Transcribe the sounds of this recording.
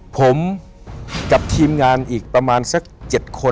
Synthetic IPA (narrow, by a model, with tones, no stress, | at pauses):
pʰo˩˦m | ka˨˩p̚t̪ʰiː˧mŋaː˧nʔiː˨˩k̚pɾa˧maː˧nsa˧˥˩k̚t͡ɕe˨˩t̪̚kʰo˧